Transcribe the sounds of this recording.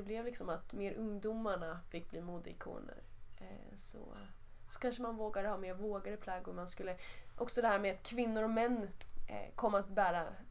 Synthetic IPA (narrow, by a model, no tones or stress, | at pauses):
d̪ɛblɛvlɪksɔmat̪meːɾʔɵŋd̪umaɳafɪkːbliːmuːd̪ɪ̰kʰṵːnə̰ɾ | sɔ̰ | sɔ̥kʰanʂəmanvoːɡad̪əhɑːmeːɾvoːɡaɾəpʰlɑːɡɔmanskɵlːəʔɔksɔd̪ɛhæːɾmɛat̪kʰvɪnːʊɾɔmɛn̰ː | kʰɔmːat̪bæːɾa